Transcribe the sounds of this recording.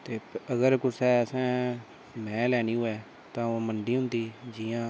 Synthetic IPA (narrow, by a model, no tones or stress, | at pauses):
t̪eːəɡəɾkʊsɛːəsɛ̃ː | mɛ̃ːlɛːniːɦoːɛː | t̪ãːoːməɳɖiːɦʊ̃nd̪iːd͡ʒiːãː